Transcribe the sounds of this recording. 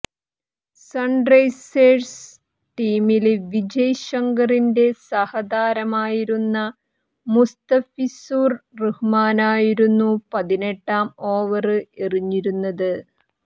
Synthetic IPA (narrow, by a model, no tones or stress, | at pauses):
sɐɳɖrɐjseːrs | ʈiːmilʋid͡ʑɐjɕɐŋɡɐrinde̞sɐhɐd̪aːɾɐmaːjiɾunːɐ | must̪ɐfisuːrruhumaːnaːjiɾunːupɐðine̞ʈːaːmo̞ːʋɐrɨeriɲːiɾunːɐðɨ